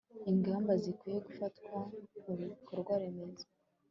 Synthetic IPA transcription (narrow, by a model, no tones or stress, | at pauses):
iŋɡaːmbazikwije̞ɡufatkwamuβikoɾɡwaɾe̞me̞zḁ